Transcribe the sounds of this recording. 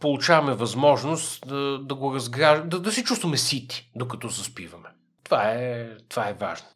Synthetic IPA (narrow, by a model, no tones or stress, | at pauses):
polˠut͡ʃavɐmɛvɐzmɔʒnost̪d̪ɐd̪ɐɡoɾɐzɡɾaʒd̪ɐd̪ɐsɛt͡ʃust̪vɐmɛsit̪i̥d̪okɐt̪ɔzɐspivɐmɛ | t̪ovaɛt̪ovaɛva̰ʒno